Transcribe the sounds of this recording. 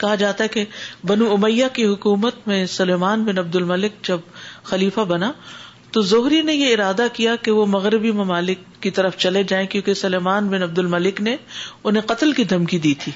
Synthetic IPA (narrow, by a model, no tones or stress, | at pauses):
kɐɦad͡ʒaːt̪aɦɛkebɐnuʊmɐjːakiɦʊkuːmət̪mẽsʊleːmaːnbɪnɐb̚d̪ʊlmɐlɪk̚d͡ʒɐbxɐliːfabɐna | t̪ozʊɦɾinejeɪɾaːd̪akijakeʋomɐɣɾɪbimɐmaːlɪkːit̪ɐɾəft͡ʃɐled͡ʒaːẽkjõːkesʊleːmaːnbɪnɐb̚d̪ʊlmɐlɪkneʊnɦẽqɐt̪lkid̪ʱɐmkid̪iːt̪ʰiː